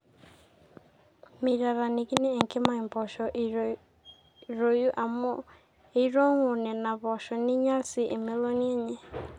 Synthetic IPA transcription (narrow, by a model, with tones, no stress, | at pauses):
mi˨ɾa˨ɾa˨ni˨ki˦ne˦ɛ˨ŋke˦ma˨i˨mbɔ˨ʃɔ˨ʔ | ɾo˨ju˦ʔa˨mɔ˦ | e˦ɾɔ˦ŋo˨nɛ˨na˨βɔ˨ʃɔ˨ni˦ɲa˦lsi˦˨ʔe˨me˦lɔ˦ni˦ɛ˦ɲɛ˦